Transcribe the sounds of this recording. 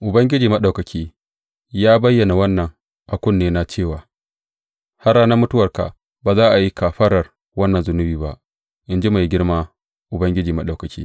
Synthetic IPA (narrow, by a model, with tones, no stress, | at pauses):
ʔʊ˨bɐ˦ŋɡʲɪ˦d͡ʒiː˨mɐ˦ɗa˨wkɐ˨kʲʰiː˦ | jaː˦bɐ˦jːɐ˨na˨wɐ˦nːɐ˨ŋ | ʔa˨kʷʊ˦˨nːeː˦na˨t͡ʃeː˦˨waː˨ | ha˦raː˦na˦mʊ˦tʊ˦wɐ˨rka̰˨ʔ | baː˨zaː˦ʔa˨ji˦ka˨ɸɐ˦ɽɐ˨r | wɐ˦nːɐ˨nzʊ˨nʊ˦biː˨ba̰˦ʔ | ʔɪ˨nd͡ʒi˦ma˨jɡʲɪ˦ɽmaː˦ | ʔʊ˨bɐ˦ŋɡʲɪ˦d͡ʒiː˨mɐ˦ɗa˨wkɐ˨kʲʰḭː˦